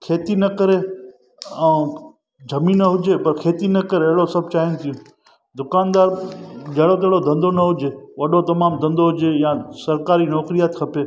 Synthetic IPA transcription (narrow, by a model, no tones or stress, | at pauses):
kʰeːt̪inɐkɐɾe | ɐ̃ː | d͡ʑʱɐminɐɦʊd͡ʒepɐɾkʰeːt̪inɐkɐɾeɐɦɪɽosɐb̚ʱt͡ɕaːɦɪnt̪ʰijũ | d̪ʊkaːnd̪aːɾd͡ʒɐɦɪɽot̪ɐɦɽod̪ʱɐ̃nd̪ʱonɐɦʊd͡ʒeʋɐɗot̪ɐmaːmd̪ʱɐ̃nd̪oɦʊd͡ʑejãːsɐɾkaːɾinɔːkɾijaːt̪kʰɐpeː